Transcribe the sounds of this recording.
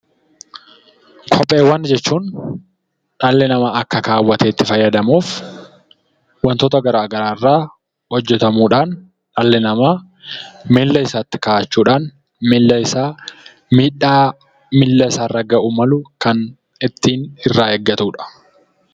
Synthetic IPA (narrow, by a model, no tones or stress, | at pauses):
kʰɔpʼːeːwːɐnd͡ʒɛt͡ʃːuːn | ᶑɐlːɛnɐmaːʔɐkːɐkaːwːɐt̪eːt̪ːɪfɐjːɐd̪ɐmuːf | wɐnt̪oːt̪ɐɡɐɾaːɡɐɾaːɪrːaː | hɔd͡ʒːɛt̪ɐmuːᶑaːn | ᶑɐlːɛnɐmaː | mɪlːɐɪsaːt̪ːɪ̥kaːʔt͡ʃːuːᶑaːn | mɪlːɐɪsaː | miːᶑaː | mɪlːɐɪsaːrɐɡɐʔuːmɐlʊkɐn | ɪt̪ːiːnɪrːaːɛɡːɐt̪uːᶑɐ̥